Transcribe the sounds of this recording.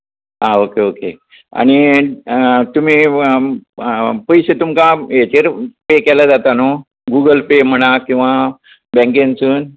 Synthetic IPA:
aokeoke | a̰ɽ̃i | t̪um̤iː | pəjɕet̪umkajet͡ɕeɾpekɛlad͡zat̪ano | ɡuɡəlpem̤əɽ̃akĩw̃ʋa | bɛ̃ŋkẽnt͡suːn

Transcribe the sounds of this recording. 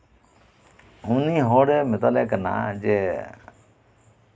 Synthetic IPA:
uniːɦoːɽeːmɪt̪aleːkəna̰d͡ʒe

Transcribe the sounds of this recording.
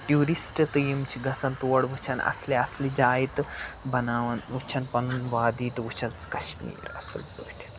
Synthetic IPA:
ʈjuːɾisʈɐt̪ɨjimt͡ʃʰiɡɐt͡sɐnt̪uʋɐɽbʱut͡ʃʰɐnɐ̰sliɐslid͡ʒaːjit̪ɨ | bɐnaːʋɐnut͡ʃʰɐnpɐnunʋaːd̪iːt̪ut͡ʃʰɐnt͡skɐʃmḭːɾɐ̰sɐ̰lbut̪ʲi̥t̪

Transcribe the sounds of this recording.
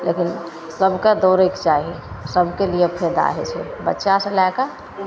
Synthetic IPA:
lekin | səbʱked̪oɾekt͡ʃaɦisəbʱkelijepʰed̪a̰ɦɛ̰t͡ʃʰɛbətːʃasə̃laeka

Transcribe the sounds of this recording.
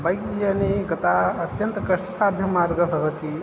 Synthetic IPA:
bɐjkijɐniɡɐt̪aɐt̪jɐnt̪ɐkɐʂʈɐsaːd̪ʱjɐmaːɾɡɐbʱɐʋɐt̪i

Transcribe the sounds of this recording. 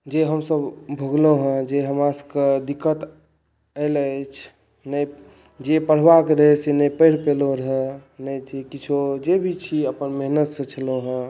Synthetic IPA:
d͡ʒeɦəmsəbbʱoɡloɦə̃d͡ʒeɦəmaskəd̪ikːət̪ | ələt͡ʃʰ | nəi | d͡ʒepəɽ̤ʋakeɾəɦɛsenəipəɪɾpeloɾəɦɛnəd͡ʒekit͡ʃʰod͡ʒebʱit͡ʃʰiəpənmeɦnət̪sə̃t͡ʃʰəloɦə̃

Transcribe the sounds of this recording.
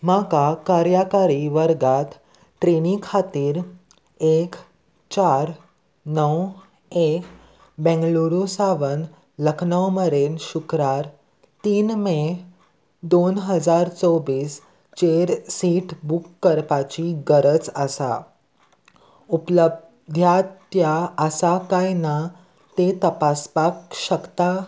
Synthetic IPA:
makakaɾjakaɾiʋəɾɡat̪ː | ɾenikʰat̪iːɾ | ek | t͡ɕaɾ | nəw | ek | bɛ̃ŋɡluɾusaʋən | ləkʰnawməɾenɕukɾaɾ | t̪iːnme | d̪onɦəd͡zaɾt͡sɔʋiːs | t͡ɕeɾsiʈbukːəɾpat͡ɕiɡəɾət͡səsa̰ | upləb | d̪ʱjat̪jaəsakajna | t̪et̪əpaspakɕəkt̪a

